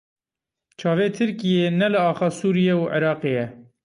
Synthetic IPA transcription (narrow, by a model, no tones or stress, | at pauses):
t͡ʃʰɑːveːt̪ʰɨɾkijeːnɛlɨɑːxɑːsuːɾijeuʔɪ̰ɾɑːqeːjɛ